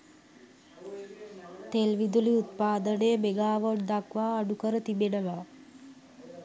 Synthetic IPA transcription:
t̪elʋid̪uliut̪̚paːd̪ənəjəmeɡaːʋoɖd̪akʋaːɖukəɾət̪ibenəʋaː

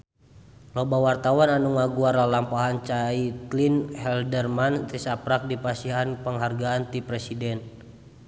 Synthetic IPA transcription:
lɔbawart̪awananuŋaɡuaralampaɦant͡ʃait̪linhɛldərmanɾisapɾak̚dipasiɦanpəŋɦarɡaːnt̪ipɾɛsidɛn

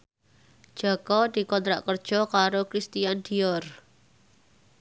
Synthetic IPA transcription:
d̥ʒ̥akɔd̪̥i̤kɔnt̪ɾa̰ʔkərd̥ʒ̥ɔ̤kaɾokɾist̪ijand̪̥iɔr

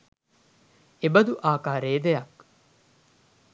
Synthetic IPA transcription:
ebɐd̪uʔaːkaːɾeːd̪ejɐk

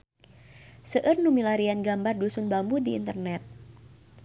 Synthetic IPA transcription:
səʔərnumilaɾianɡambardusʊnbambudḭːnt̪ərnɛt̪̚

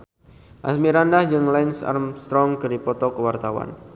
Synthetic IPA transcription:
ʔa̰smiɾandahd͡ʒɨŋlajnsa̰rmst̪ɾɔŋkɨrdipɔt̪ɔkəwart̪awa̰n

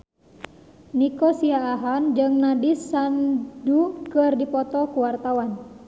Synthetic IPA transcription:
nikɔsiaːɦand͡ʒɨŋnadisandukɨrdipɔt̪ɔkuwart̪awan

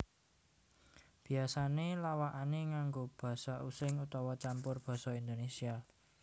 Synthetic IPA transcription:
b̥i̤asanelawaʔaneŋaŋɡob̥a̤sɔʔusɪŋut̪ɔwɔt͡ʃampʊrb̥ɔ̤sɔind̪onesia

